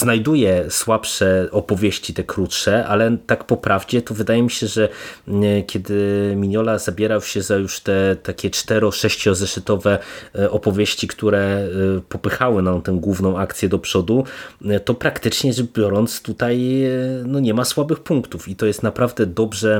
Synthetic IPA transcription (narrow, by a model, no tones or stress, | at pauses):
znajd̪ujɛswapʂɛʔɔpɔvʲjeɕt͡ɕit̪ɛkɾut̪ʂɛʔalɛt̪akpɔpɾavd͡ʑɛt̪ɔvɘd̪ajɛmʲiɕɛʐɛ | kʲɛd̪ɘmʲiɲɔlazabʲjɛɾawɕɛzajuʂt̪ɛt̪akʲɛt͡ʂt̪ɛɾɔʂɛɕt͡ɕɔzɛʂɘt̪ɔvɛʔɔpɔvʲjeɕt͡ɕikt̪uɾɛpɔpɘxawɘnamt̪ɛ̃w̃ɡwuvnɔ̃w̃akt̪sʲjɛd̪ɔpʂɔd̪ut̪ɔpɾakt̪ɘt͡ʂɲɛʐɛbʲjɔɾɔnt̪st̪ut̪ajnɔɲɛmaswabɘxpuŋkt̪ufit̪ɔjɛst̪napɾavd̪ɛd̪ɔbʐɛ